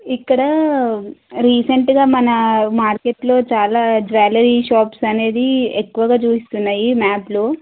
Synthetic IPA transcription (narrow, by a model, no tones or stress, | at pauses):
ikːɐɽɐ | ɾiːseɳʈɡaːmɐnɐmaːɾkeʈlo̞ːt͡ʃaːlaːd͡ʒʋaːlɐɾiʃaːpsɐne̞ːd̪iekːuʋɐɡaːt͡ʃuːsist̪unːaːjimaːploː